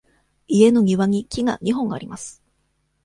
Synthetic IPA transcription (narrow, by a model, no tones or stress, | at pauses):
ie̞no̞ɲ̟ʲiβaɲ̟ikʲiɡa̰ɲ̟iɦõ̞ŋɡa̰ːɾʲimasɨ̥